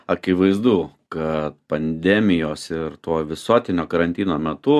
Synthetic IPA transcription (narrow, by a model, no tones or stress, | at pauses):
ɐkʲɪʋɐɪzd̪uː | kɐt̪̚pɐnʲd̪ʲæːmʲɪjoːsɪɾt̪oːʋʲɪsuɔt̪ʲɪnʲoːkɐɾɐnʲt̪ʲiːnoːmʲɛt̪ʊ